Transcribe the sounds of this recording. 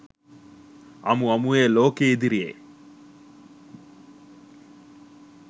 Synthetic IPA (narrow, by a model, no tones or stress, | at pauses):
ɐ̰muɐmueːloːkeid̪iɾijḛː